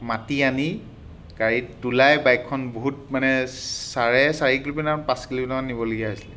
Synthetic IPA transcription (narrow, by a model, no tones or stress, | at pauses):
matiani | kaɹitulajbajkʰːɔnboɦutmanɛsaɹɛsaɹikilupɛnapãskilupɛnaanːibɔloɡiaɦojsilɛ